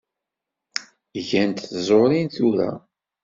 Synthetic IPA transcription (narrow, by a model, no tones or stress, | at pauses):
ʝænt̪θzˤoɾinθuɾæ̰